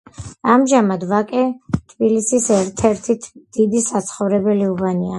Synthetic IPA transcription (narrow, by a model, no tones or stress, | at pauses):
amʒamad̪vakʼɛt̪ʰbilisisɛɾt̪ʰɛɾt̪ʰit̪ʰd̪̥id̪isat̪sʰχɔvɾɛbɛliubania